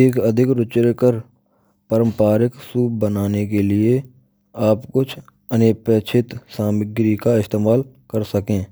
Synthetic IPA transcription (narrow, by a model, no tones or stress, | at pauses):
eːkəd̪ʱɪkɾʊt͡ʃɾekəɾ | pəɾə̃mpaːɾɪksuːb̚bənaːnek̬elɪe | aːpkʊt͡ʃʰ | ənepeːt͡ʃʰɪt̪sãːmɪɡɾikaɪst̪eːmaːl | kəɾsəkẽː